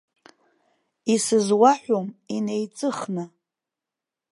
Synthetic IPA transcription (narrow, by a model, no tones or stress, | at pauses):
isɨzwaħʷomine̞jt͡sʼɨχnɨ